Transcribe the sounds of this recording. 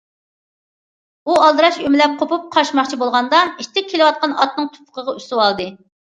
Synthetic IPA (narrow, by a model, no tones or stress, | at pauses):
uɑlˠd̪ɨɾɑʃymɪlɛp̚qʰopup̚qʰɑʃmɑχt͡ʃʰibolˠʁɑnd̪ɑiʃt̪ʰɪk̚ʲkʲʰelɨwɑt̪̚qʰɑnɑ̰t̪̚nɨŋt̪ʰu̥pʰʊ̥qʰəʁɑyst̪uwɑlˠd̪ɨ